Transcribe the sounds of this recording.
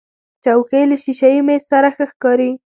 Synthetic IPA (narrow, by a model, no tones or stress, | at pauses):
t͡ʃawkejləʃiʃajimessaɾaxəxkɑɾi